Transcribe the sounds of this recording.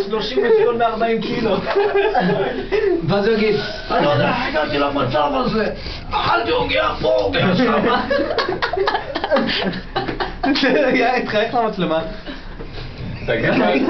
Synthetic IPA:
d̪oʃimotiotmeaʁbaimkilot | veazujaɡid̪ | alod̪ɛaaɡat̪ilamat͡savaze | alt̪ioɡiapomaʃa | zejait̪χajeχlamat͡slema | t̪aɡa

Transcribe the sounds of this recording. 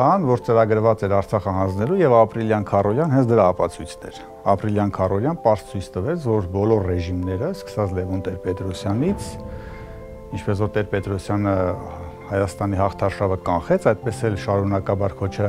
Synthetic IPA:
ɑnvɔɾt͡səɾɑɡəɾvɑt͡sɛɾɑɾt͡sʰɑχəɦɑnd͡znɛlujɛvɑpɾiljɑnkʰɑrɔljɑnhɛnt͡sʰd̪əɾɑɑpɑt͡sʰujt͡sʰnɛɾ | ɑpɾiljɑnkʰɑrɔljɑnpɑɾst͡sʰujt͡sʰt̪əvɛt͡sʰvɔɾbɔlɔɾːɛʒimnɛɾəskə̥sɑt͡sʰlɛvɔnt̪ɛɾpɛt̪ɾɔsjɑnit͡sʰ | int͡ʃʰpɛsvɔɾt̪ɛɾpɛt̪ɾɔsjɑnə | hɑjɑst̪ɑniɦɑχt̪ʰɑʃɑvəkɑnχɛt͡sʰɑjd̪̚pɛsɛlʃɑɾunɑkɑbɑɾkʰɔt͡ʃʰɑ

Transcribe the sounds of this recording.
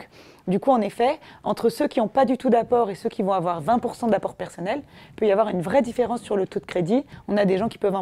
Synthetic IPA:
d̪ykuɑ̃nefɛɑ̃t̪χəsøkʲiɔ̃pad̪yt̪ud̪apɔʁesøkʲivɔ̃avwaʁvɛ̃puʁsɑ̃d̪apɔʁpɛʁsɔnɛlpøjavwaʁynvʁɛd̪ifeʁɑ̃sːyʁlət̪od̪əkχed̪iɔ̃nad̪eʒɑ̃kʲi̥pœvɑ̃

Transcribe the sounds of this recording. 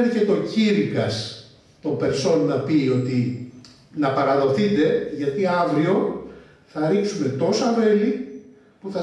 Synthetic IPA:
ice̞t̪o̞ciɾikɐs | t̪o̞mbe̞ɾso̞nːɐpio̞t̪i | nɐpɐɾɐðo̞θit̪e̞ʝɐt̪iɐvɾio̞ | θɐɾiksume̞t̪o̞sɐve̞li | puθɐ

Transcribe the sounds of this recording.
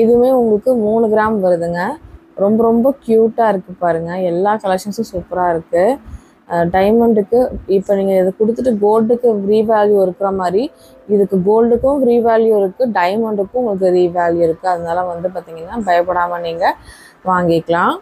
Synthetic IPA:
ɪðɯmeːʊŋɡɐɭɯkːɯmuːnɯɡɪɾaːmʋɐɾɯðɯŋɡɐ | ɾɔmbɐɾɔmbɐkjuːʈːaːɪɾɯkːɯpaːɾɯŋɡɐɛlːaːkɐlɛkʂɐnsʊ̃suːpːɐɾaːɪɾɯkːɯ | ɖɐɪmɐɳɖɯkːɯɪpːoːniːŋɡɐɪðɯkʊɽɯt̪ːɯʈːɯɡoːlɖɯkːɯfɾiːʋaːljuɪɾɯkːɪɾɐmaːd̪ɾi | ɪðɯkːɯɡoːlɖɯkːʊ̃fɾiːʋaːljuɪɾɯkːɯɖɐɪmɐɳɖɯkːʊ̃ʊŋɡɐɭɯk̬ːɯɾiːʋaːljuɪɾɯkːɯɐðɐnaːlɐʋɐnd̪ɯp̬aːɾt̪iːŋɡɐnːaːbɐjɐpːɐɽaːmɐniːŋɡɐ | ʋaːŋɡɪkːɐɭãː

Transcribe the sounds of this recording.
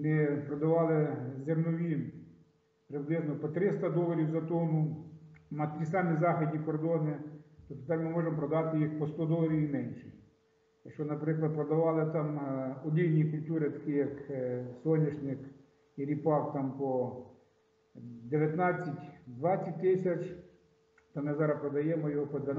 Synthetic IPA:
mɪpɾɔd̪ɐʋɑlˠɪzemnɔʋʲin | pɾɪblˠɪznɔpɔt̪ɾɪst̪ɐd̪ɔlˠɐɾʲiwzɐt̪ɔnʊ | mɐt̪ɾʲisɑmʲizɑxʲɪd̪ʲnʲikɔrd̪ɔnɪt̪ɔpt̪ɔt̪ɑmmɪmɔʒempɾɔd̪ɑt̪ɪjixpɔst̪ɔd̪ɔlˠɐɾʲiwimɛnʲʃɛ̥ | jɐkʃt͡ʃɔnɐpɾɪklˠɐd̪̚pɾɔd̪ɐʋɑlˠɪt̪ɑmɔd̪ʲijʲnʲikʊlʲtʲuɾɪt̪ɐ̥kijɐksɔnʲːɐʃnʲɪx | iɾʲipɑwt̪ɑmpɔ | d̪eʋʲjɐt̪nɑt͡sʲːɐtʲd̪ʋɑt͡sʲːɐt̚ʲt̪ɪsʲɐt͡ʃ | t̪ɐmɪzɑɾɐpɾɔd̪ɐjɛmɔjɔɦɔpɔd̪ʋʲɐ

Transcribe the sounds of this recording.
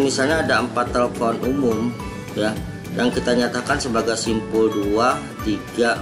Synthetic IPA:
misalɲaːdaəmpat̪ːəlfɔnumʊm | ja | jaŋkit̪aɲat̪akansəbaɡajsimpʊldua | t̪iɡa

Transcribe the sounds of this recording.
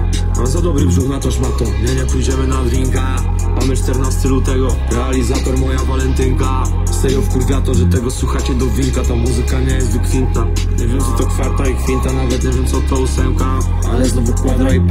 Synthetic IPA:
azad̪ɔbɾɨbʒuɣnat̪ɔʃmat̪ɔɲɛɲɛpujd͡ʑɛmɪnad̪ɾiŋka | t̪amɛʃt̪ɛɾnast̪ɨlut̪ɛɡɔ | ɾɛalizat̪ɔɾmɔjavalɛnt̪ɪŋka | sɛjɔfkuɾd̪at̪ɔʒɛt̪ɛɡɔswuxat͡ɕɛd̪ɔvʲiɾkat̪amuzɨkaɲɛjɛst̪d̪ɔkfʲint̪a | ɲɛvʲjɛmsɨt̪ɔkfaɾt̪aikfʲint̪anavɛt̪nɲɛvʲjɛmsɔt̪ɔusɛwka | ɛsnɔvukwad̪ai

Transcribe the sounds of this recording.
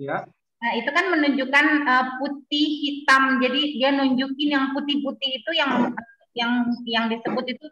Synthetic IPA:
əit̪ukanmənuɲd͡ʒukanəput̪̚ihhit̪amd͡ʒadidianuɲd͡ʒukɪnjaŋput̪ɪhput̪ɪhit̪ujaŋ | jaŋjaŋdisəbʊt̪̚it̪u

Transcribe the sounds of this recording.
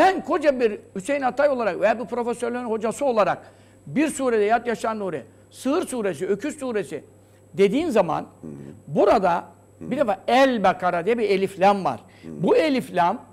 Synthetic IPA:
sænkʰo̞d͡ʒabiɾysejinat̪ʰajolˠaɾakvejaːbiɾpɾo̞fesøɾlʲeninho̞d͡ʒasɯo̞lˠaɾa̰k | biɾsuːɾed̪ɛjat̪jaʃanoɾɛ̰ | sɯɯɾsuːɾesiø̞cʰyssuːɾesḭ | d̪e̞d̪iːnzama̰nbuɾad̪a | bid̪efaɛlʲbakʰaɾad̪ijɛbielʲiflʲamva̰ɾ̥ | buelʲiflʲam

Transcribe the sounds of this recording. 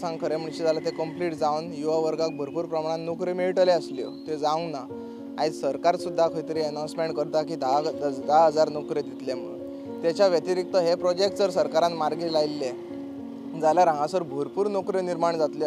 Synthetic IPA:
sãŋɡkʰəɾem̤əɳɕid͡zalat̪ekəmpliʈd͡zawnjuʋaʋəɾɡak̚bʱəɾpuːɾpɾəmaɽ̃ãnnokɾemeiʈəleəsljo̰t̪ed͡zaŋɡna | ait͡ssəɾkaɾsud̪ʱːakʰəjt̪əɾiənãw̃smeɳʈkəɾt̪akiːd̪ad̪d̪aɦəd͡zaɾnokɾed̪it̪lemə | t̪jat͡ɕjaʋjət̪iɾik̚t̪əɦepɾɔd͡ʑek̚ʈd͡zəɾsəɾkaɾãnmaɾɡelajlːe | d͡zaljaɾãŋɡãsəɾbʱəɾpuːɾnokɾeniɾmaɳd͡zat̪le

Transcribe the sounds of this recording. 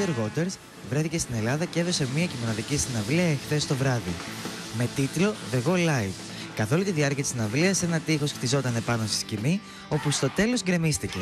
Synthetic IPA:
eɾɣo̞t̪e̞ɾs | vɾeθicest̪ine̞lɐðɐce̞ðo̞se̞mɲiɐcimo̞nɐðicisinɐvliɐexθe̞st̪o̞vɾɐði | me̞t̪it̪lo̞ðe̞ɣo̞lɐjv | kɐθo̞lit̪iðiɐɾciɐt̪isinɐvliɐse̞nɐt̪ixo̞sxt̪izo̞t̪ɐne̞pɐno̞st̪i̥scimi | o̞pust̪o̞t̪e̞lo̞sɡɾe̞mist̪ice̞

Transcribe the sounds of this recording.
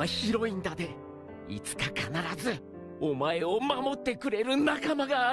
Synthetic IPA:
açiɾo̞ĩnd̪ad̪e̞ | ḭt͡sɨ̥kakanaɾazɨ | o̞mae̞omamo̞t̪ːe̞kɯ̟ɾe̞ɾɯ̟nakamaɡaː

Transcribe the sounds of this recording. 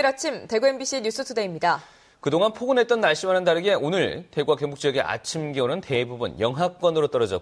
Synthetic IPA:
ɾat͡ɕʰimte̞ɡue̞nbiɕ͈ʰiɲus͈ʰɯtʰude̞imɲida | kɯdoŋɦanpʰoɡɯnɦe̞t̚t͈ʌnmaɭɕ͈imɦanɯndaɾeɡe̞onɯɭteɡuwakeŋmbuk̚t͡ɕ͈ijʌɡe̞̰ʔa̰t͡ɕʰimɡionɯnte̞bubunjʌŋɦak̚k͈wʌnɯɾot͈ʌɾʌd͡ʑʌ̰

